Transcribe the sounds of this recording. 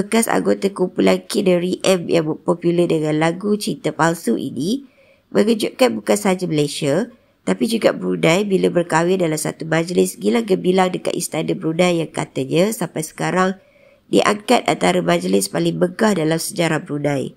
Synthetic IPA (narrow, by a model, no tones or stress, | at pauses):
bəkasa̰ŋɡot̪akumpulankinəɾiʔɛmjaŋbəpɔpjulədəŋãnlaɡut͡ʃit̪apalsuʔḭni | mə̃ɡəd͡ʒuʔ̚kanbukansad͡ʒaməlaʃia | t̪apid͡ʒuɡa̰ʔbəɾunãjbiləbərkawɪndalamsa̰t̪umãd͡ʒlɪsɡilaŋkəbilaŋdəka̰t̪ist̪anəbɾunãjːaŋka̰t̪əɲãsampajsə̥kaɾaŋ | dḭʔa̰ŋkat̪̚a̰nt̪aɾəmãd͡ʒlɪspalɪŋməɡahdalamsəd͡ʒaɾahbəɾunãj